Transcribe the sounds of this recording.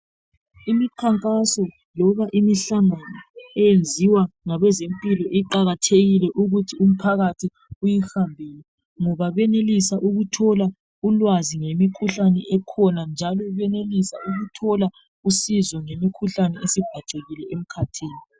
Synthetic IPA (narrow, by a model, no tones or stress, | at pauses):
imiǃʰaŋkʼasɔ | lɔβaʔimiɬaŋanɔɛjend͡zʱiwaŋaβɛzempʼilɔʔiǃaɣatʰeɣilɛʔuɣutʰium̩pʰaɣatʰi | ujixambʱijɛ | ŋɔβaβɛnelisaʔuɣutʰɔla | ulwaziŋemikʰuɬanɛʔɛkʰɔnand͡ʒʱalɔβɛnelisauɣutʰɔla | usizɔŋemikʰuɬanɛesib̥ʱaǀeɣilɛʔem̩kʰatʰiːni